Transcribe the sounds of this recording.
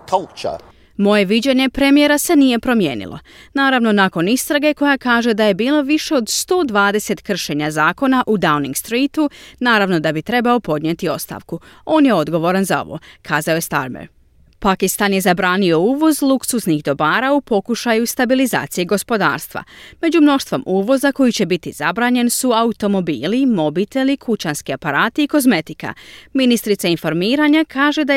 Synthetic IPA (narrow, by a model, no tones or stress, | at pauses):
kʰalˠt͡ʃə̰ | mo̞je̞ʋid͡ʑeɲe̞pɾe̞mije̞ɾase̞nije̞pɾo̞mje̞ːnḭlˠʔo̞̰ | naːɾaʋno̞naːko̞nist̪ɾaɡe̞ko̞jakaːʒe̞d̪aje̞biːlˠoʋiʃe̞o̞d̪st̪o̞ːd̪ʋaːd̪e̞se̞t̪kr̩ʃe̞ɲazaːko̞naʔud̪awniŋɡst̪ɾiːt̪unaːɾaʋno̞d̪abit̪ɾe̞bao̞po̞d̪ɲet̪io̞st̪a̰ːʋkuo̞ːnje̞o̞d̪ɡo̞ʋo̞ɾanzao̰ʋo̰kʰaːzaoje̞st̪a̰ɾmḛɾ | pakist̪anje̞zabɾaːnio̞uːʋo̞zlˠuksuznixd̪o̞baːɾaupo̞kuʃajust̪abiliza̰ːt̪sijeɡo̞spo̞d̪a̰ːɾst̪ʋa̰me̞d͡ʑumno̞ʃt̪ʋo̞mʔuːʋo̞zako̞jit͡ɕe̞bit̪izabɾaːɲe̞nsuaut̪o̞mo̞biːlimo̞bit̪e̞likʰut͡ɕanskiapaɾaːt̪iiko̞zme̞t̪ika̰minist̪ɾit̪sainfo̞ɾmiːɾaɲakʰaːʒe̞d̪a